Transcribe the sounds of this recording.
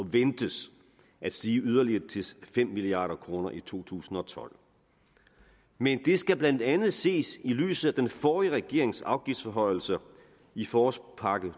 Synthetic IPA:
ɒʋend̥əs | æd̥sd̥iːyð̞ˠɐliɐt͡sʰe̝fem̰miliɑ̰̈ːɾɐkʰʁo̝ːnɐʔit͡sʰo̝̰ːt͡sʰṵːsn̩ɒ̽t͡sʰɒ̽l̰ | mend̥e̝sɡ̥æb̥lænd̥ænð̞̩ˠse̝̰ːsily̰ːsð̩ˠæd̥enfɒːiəʁɛɡ̥e̝̰ɐ̰e̝ŋsɑ̈ʊɡ̥ifd̥sfɒɦɒ̽ɪ̰l̩sə | ifɒːspʰɑ̈ɡ̥ə

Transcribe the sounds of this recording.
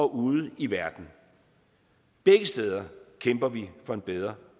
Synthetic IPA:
ɒ̽ʔuːð̩ˠiʋæɐd̥n̩ | b̥eɡ̥əsd̥eːð̞ˠɐkʰemb̥ɐʋifɒ̽e̝nb̥eð̞ˠʁɐ

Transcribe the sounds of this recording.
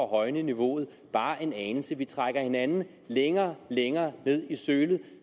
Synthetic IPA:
ɒɦɒ̽ɪnəniʋo̝ð̞̩ˠ | b̥ɑ̈ːʔe̝nɛːnl̩səʋit͡sʰʁaɡ̥ɐhe̝nænn̩ | leŋɐːleŋɐːne̝ð̰ˠisøːlð̩ˠ

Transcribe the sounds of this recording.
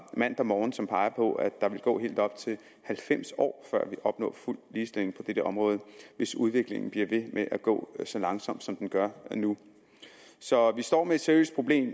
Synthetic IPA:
mæn̰d̥ɑmɒːn̩sɒ̽mpʰɑ̈ɪɐpʰɒ̽ʔæd̥ɑ̈ʋe̝lɡ̥ɔ̰̽ːɦḛːld̥ɒ̽b̥t͡sʰe̝l | hælfem̰sɒ̰ːfɶɐ̰ʋiʔɒ̽b̥nɔ̰̽ːful̰liːsd̥e̝le̝ŋpʰɒ̽d̥eɾ̥əɒ̽mʁɔ̽ːð̞ˠəʋe̝suðˠʋe̝ɡ̥le̝ŋn̩b̥liɐʋe̝meʔæɡ̥ɔ̰̽ːsɒ̽lɑ̈ŋsɒ̽m̰d̥sɒ̽md̥enɡ̥ɶɐnu | sɒ̽ʋisd̥ɒ̰ːmeed̥seɐjø̰ːsd̥̚pʰʁo̝b̥le̝̰ːm

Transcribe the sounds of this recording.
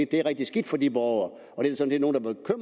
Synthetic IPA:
id̥̚d̥e̝æɐʁɛɡ̥d̥isɡ̥id̥fɒd̥ibɒʊɐ | ɒ̽d̥e̝sɒ̽nse̝no̝ːn̩d̥ɑ̈b̥e̝kʰøm̰

